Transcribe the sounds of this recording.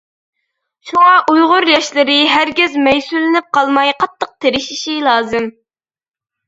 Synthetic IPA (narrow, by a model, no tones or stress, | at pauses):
ʃuŋɑʔujʁʊɾjɑʃlˠɨɾɨɦæɾɡʲɪzmɛjsulɪnɪp̚qʰɑlˠmɑjqʰɑt̪ʰːəq̚t̪ʰeɾɪʃiʃilˠɑːzɨm